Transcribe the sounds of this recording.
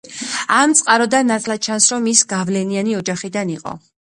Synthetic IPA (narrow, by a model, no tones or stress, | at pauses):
amt̪sʼqʼaɾɔd̪anːat̪ʼʰlˠad̪̚t͡ʃʰansɾɔmisɡavlɛnianiɔd͡ʒaχid̪aniqʼɔ̰